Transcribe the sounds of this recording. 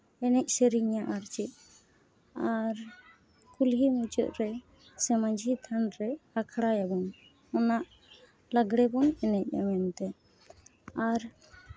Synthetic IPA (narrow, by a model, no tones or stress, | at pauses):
ɛnɛc̚ˀseɾiɲaʔaɾt͡ʃit̪̚ | aɾ | kulɦimud͡ʒɔ̰ʔɾɛ | sɛmaɲd͡ʒʱit̪ʰanɾɛakʰɽajabɔn | ɔnaʔ | laɡɽɛbɔnɛnɛc̚ˀa̰wɛnt̪ɛ | aɾ